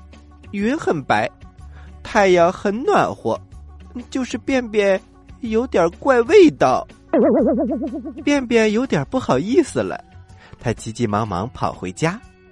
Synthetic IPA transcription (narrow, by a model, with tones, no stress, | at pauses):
y˧˥nxə˨˩npa˧˥ɪt̪ʰa˥jɑ˥˩ʊxə˧˥nnwa̰˨˩nxwɔ̰˧˩˦t͡ɕjo˥˧ʊʂɻ̩˥˧pjɛ˥˧npjɛ˥˩n | jo˧˥ʊt̪jɑ˞˨˩kwa˥˧ɪwe˥˧ɪt̪ɑ˥˩ʊ | pjɛ˥˩npjɛ˥˩njo˧˥ʊt̪jɐ˨˩pu˥˩xɑ˨˩ʊi˥˩sɹ̩˨˩lə̰˩t̪ʰa˥t͡ɕi˧˥t͡ɕi˧˩mɑ˧˥ŋmɑ̰˧˥ŋpʰɑ̰˨˩ʊxwḛ˧˥ɪt͡ɕja˥